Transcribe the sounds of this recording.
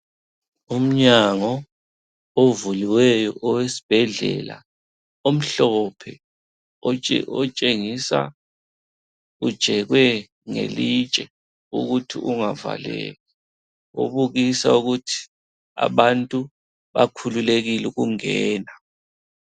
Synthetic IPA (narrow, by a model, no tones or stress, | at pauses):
um̩ɲaŋɔ | ovuliwɛjɔʔɔwesi̥b̥ʱɛɮɛ̰la̰ | om̩ɬɔpʰɛ | ɔ̰ɔt͡ʃʼeŋisa̰ | ud̥ʒ̥ʱɛɣwɛ | ŋḛlit͡ʃʼɛ | ṵɣutʰiʔuŋava̰lɛ̰ːlɛ | o̰βuɣisauɣutʰi̥ | a̰βantʼu | βa̰kʰululeɣiluɣuŋɛːna